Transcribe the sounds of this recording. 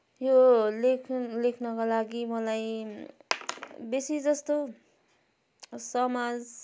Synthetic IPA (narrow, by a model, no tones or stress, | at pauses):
jolekʰlekʰnʌkalaɡimʌlaj | besid͡zʌst̪o | sʌmad͡z